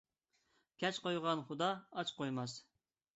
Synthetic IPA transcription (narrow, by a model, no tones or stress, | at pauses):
kʲʰɛt͡ʃqojʁɑnχʊd̪ɑːt͡ʃqojmɑs